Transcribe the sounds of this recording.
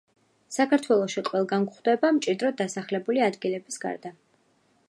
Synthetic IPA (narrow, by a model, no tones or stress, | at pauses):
sakʰaɾt̪ʰwɛlˠɔʃiqʼwɛlˠɡanɡχd̪ɛbamt͡ʃʼid̪ɾɔd̪asaχlɛbuliad̪ɡilɛbisɡa̰ɾd̪a